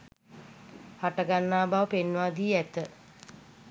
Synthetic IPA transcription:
haʈəɡanːaːbaʋəpenʋaːd̪iːæt̪ə

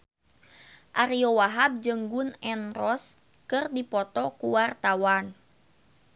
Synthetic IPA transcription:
ʔaɾiowaɦab̚d͡ʒəŋɡunɛnrɔs | kɨrdipɔt̪ɔkuwart̪awan

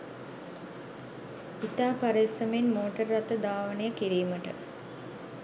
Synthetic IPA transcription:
it̪aːpaɾeːsəmenmoːʈərːat̪əd̪aːʋənəjəkiɾiːməʈə

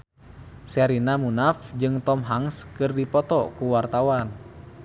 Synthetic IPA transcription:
sɛɾinamunafd͡ʒɨŋt̪ɔmɦaŋskɨrdipɔt̪ɔkuwart̪awan

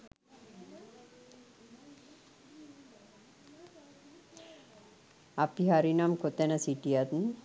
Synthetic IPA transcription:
apiɦaɾinamkot̪ɛnəsiʈijat̪n

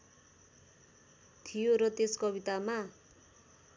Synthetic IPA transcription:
t̪ʰijoɾʌt̪eskʌbit̪ama

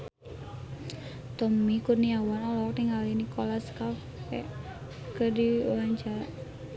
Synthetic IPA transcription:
t̪ɔmikurnijawanɔlɔk̚t̪iŋɡalinikɔlaskaf | ɛ | kədiwaɲd͡ʒa

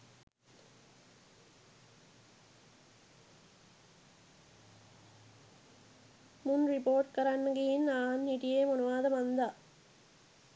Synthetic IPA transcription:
mʊnrɪpoːɾʈkɐɾɐɳɡɐjɪnaːnːɪʈɪjeːmʊnʊʋaːðɐmɐnd̪ɐ

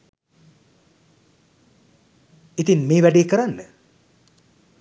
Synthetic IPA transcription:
it̪inmeːʋæɖiːkəɾanːə

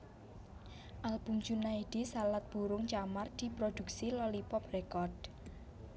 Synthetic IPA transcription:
ʔalb̥umd͡ʒunaid̪̥i̤salat̪̚b̥uɾʊŋt͡ʃamard̪̥i̤pɾod̪̥ṳk̚silɔlipɔprɛkɔrd̥

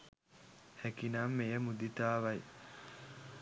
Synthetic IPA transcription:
hækinaːmːejəmud̪it̪aːʋɐj

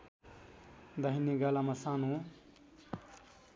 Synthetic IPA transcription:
d̪əɦiniɡaːlamasaːnũ

